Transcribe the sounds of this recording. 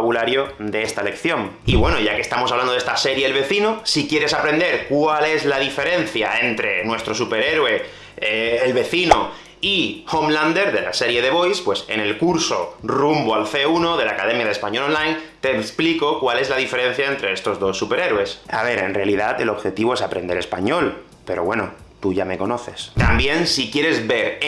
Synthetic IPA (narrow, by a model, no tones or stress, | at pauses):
aβulaɾjo̞d̪e̞est̪ale̞kθjõ̞ŋ | iβwe̞noʝakest̪amo̞saβland̪e̞st̪ase̞ɾjeelβe̞θinosikje̞ɾe̞sapɾe̞nd̪e̞ɾkwale̞zlaðife̞ɾe̞n̟θjae̞nt̪ɾe̞nwe̞st̪ɾo̞supe̞ɾe̞ɾwe̞ | eːlβe̞θino | ihomlãnd̪e̞ɾðe̞la̰se̞ɾje̞ðe̞βo̞jspwe̞se̞̰ne̞lkuɾso̞̰rumboalθe̞unoðe̞laːkaðẽ̞mjaðespaɲo̞lõnlajnt̪eːspliko̞kwale̞zlaðife̞ɾẽ̞n̟θjae̞nt̪ɾe̞e̞st̪o̞zðo̞sːupe̞ɾe̞ɾwe̞sa̰βe̞ɾe̞̰nrealiðat̪e̞lo̞βxe̞t̪iβoe̞sapɾend̪e̞ɾe̞spa̰ɲo̞l | pe̞ɾo̞βwe̞no | t̪uʝame̞ko̞no̞θe̞st̪ambje̞nsikjeɾe̞zβe̞ɾ